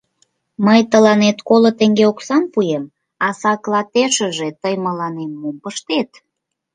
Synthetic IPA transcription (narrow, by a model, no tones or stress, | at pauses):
məjt̪əlɑnet̪kolot̪eŋɡeoksɑnpujem | ɑsɑklˠɑt̪eʃə̆ʒet̪əjməlɑnemːumpəʃt̪et̪